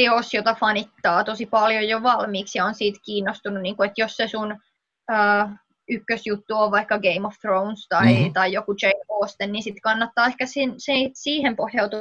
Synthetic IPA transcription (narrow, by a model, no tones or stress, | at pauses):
eosjot̪ɑfɑnit̪ːɑːt̪osipɑljojjoʋɑlmiːksjɑonsiːt̪kiːnːost̪ununiːŋkuet̪jossesun | əː | ykːøsjut̪ːuoʋʋɑikːɑɡeimofθrounst̪ɑit̪ɑijokut͡ʃeioːst̪enninsit̪kɑnːɑt̪ːɑːehkæsinsesiːhempohjɑut̪u